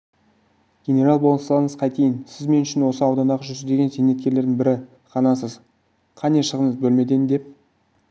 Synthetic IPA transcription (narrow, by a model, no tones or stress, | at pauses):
ɡʲenʲe̞ɾalˠbolˠənslˠɑɾəɴəzqʰɑjt̪ʰejɪnsɪzme̞nʏʃɪnwo̞səɑwd̪ɑnɑʁəʒʏzɪd̪e̞ɡʲe̞nse̞nːe̞t̪kʲe̞ɾle̞ɾd̪ɪŋbɪɾɪ | χɑnɑs̬əz | qʰɑneʃəʁənɴəzbɵlme̞d̪end̪e̞p̚